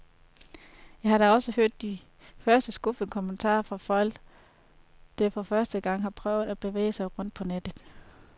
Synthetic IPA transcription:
jɑ̈ɪhɑ̈ɾæɒ̽səhøɐ̰d̥ːi | fɶɐsd̥əsɡ̥ufəkʰoment͡sʰɑ̰̈ːfʁɑ̈fɒ̽l̰ɡ̥ | d̥ɑfɒ̽fɶɐsd̥əɡ̥ɑ̈ŋ̰ɦɑ̈pʰʁœʊð̩ˠæb̥e̝ʋḛːɪsɑ̈ɪʁɔ̽n̰d̥̚pʰɒ̽ned̥ð̩ˠ

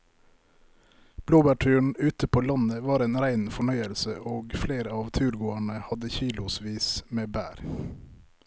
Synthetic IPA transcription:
b̥loːbæʈʰʉːɳ̩ʉːt̪əpʰoːlɑnəʋɑːɾeːnɾæɪnfɔɳœʏəlsəʔoːɡfleːɾəɑːʋt̪ʰʉːɾɡoːæɳəhɑd̪əçiːlʊsʋiːsmeːbæ̰ːɾ

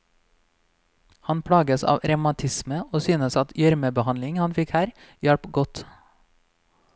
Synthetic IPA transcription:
hɑnpʰɽɑːɡəsɑ̰ːʋɾɛmɑt̪ʰɪsməoːsyːnəsɑt̪jœɾməbəhɑnlɪŋhɑnfɪkhæːɾ | jɛɽpɡɔt̪

